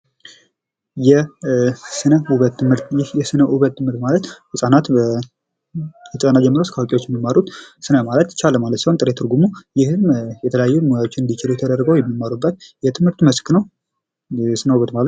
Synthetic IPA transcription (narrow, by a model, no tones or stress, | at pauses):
jɛ | sɨnəuβət̪ːɨmɨɾt̪jɪhjɛsɨnəʔuβət̪ʰːɨmhɨɾt̪malət̪hɨsʼanat̪ə | hɨsʼənad͡ʒɛmːəɾoskʰəwokʼiwo̞t͡ʃːjɛmːimːaɾut̪sɨnəmalət̪t͡ʃʰalːəmalət̪sihont̪ʼɨɾet̪ʰɨɾɡumujɪhɨmjɛt̪ʰələjajːumojawo̞t͡ʃːɪnɨnd̪it͡ʃɪluwt̪ʰəd̪ərɡəwjɛmːimːaɾubːət̪jɛt̪ʰɨmhɨɾt̪məsknəw | ɛsɨnəuβət̪malət̪